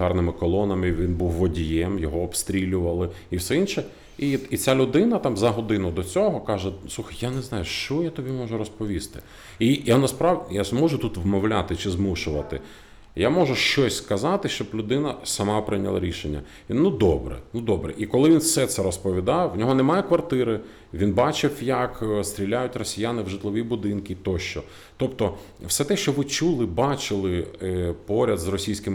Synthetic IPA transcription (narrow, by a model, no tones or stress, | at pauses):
ɑrnɪmɪkɔlˠɔnɐmɪʋʲinbuwːɔdʲijɛmjɔɦɔɔpst̪ɾʲilʲʊʋɐlˠɪ | iwsɛinʃɛ | iit͡sʲalʲʊd̪ɪnɐt̪ɑmzɐɦɔd̪ɪnʊd̪ɔt͡sʲɔɦɔkɑʒɛsˠuxɐjjaneznɑjʊʃt͡ʃɔjat̪ɔbʲimɔʒʊɾɔspɔʋʲist̪ɪ | ijanɐspɾɑʋjamɔʒʊt̪ut̪ʋmɔwlʲat̪ɪt͡ʃɪzmuʃʊʋɐt̪ɪ̰ | jamɔʒʊʃt͡ʃɔsʲskɐzɑt̪ɪʃt͡ʃɔblʲʊd̪ɪnɐsɐmɑpɾɪnʲɐlˠa̰ɾʲiʃenʲːɐ̰ | nud̪ɔbɾɛ̰nud̪ɔbɾɛ̰ʔikɔlˠɪʋʲinfsɛt̪sɛɾɔspɔʋʲid̪ɑwnʲɔɦɔnɛmɑjɛkʋɐrt̪ɪɾɪ | ʋʲinbɑt͡ʃɪwjɐkst̪ɾʲilʲːajʊtʲrɔsʲijanɪwʒɪt̪lˠɔʋʲibʊd̪ɪnkʲit̪ɔʃt͡ʃɔ | t̪ɔpt̪ɔ | wsɛt̪ɛʃt͡ʃɔʋɪt͡ʃulˠɪbɑt͡ʃɪlˠɪpɔɾʲɐd̪zrɔsʲijsʲkɪm